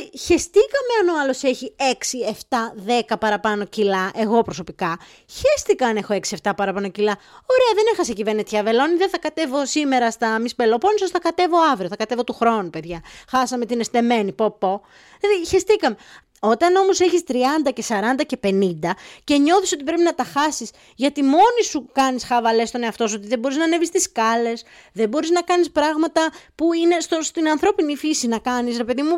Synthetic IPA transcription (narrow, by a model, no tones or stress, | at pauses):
içest̪ikɐme̞ɐno̞ɐlo̞se̞çie̞ksie̞ft̪ɐðe̞kɐpɐɾɐpɐno̞cilɐʔe̞ɣo̞pɾoso̞pikɐ | çest̪ikɐːnexo̞e̞ksieft̪ɐpɐɾɐpɐno̞cilɐo̞ɾeɐðeneɾxɐsecive̞ɾnet̪çɐve̞lo̞niðeθɐkɐt̪e̞vo̞sime̞ɾɐst̪ɐmispelopo̞nisostθɐkɐt̪e̞vo̞ɐvɾioθɐkɐt̪e̞vo̞t̪uxɾo̞nupe̞ðʝɐxɐsɐme̞t̪ine̞st̪e̞me̞nipopo | ðiçest̪ikɐme | o̞t̪ɐno̞mo̞se̞çist̪ɾiɐnd̪ɐce̞sɐɾɐnd̪ɐce̞pe̞nind̪ɐce̞ɲo̞θiso̞t̪ipɾe̞pinɐt̪ɐxɐsis | ʝɐt̪imo̞nisukɐnisxɐvɐle̞st̪o̞ne̞ɐft̪o̞so̞t̪iðe̞bo̞ɾiznɐnevist̪iskɐle̞sðe̞bo̞ɾiznɐkɐnispɾɐɣmɐt̪ɐpuine̞st̪ost̪inɐnθɾo̞pinifisinɐkɐnis̬ɾe̞pe̞ðimu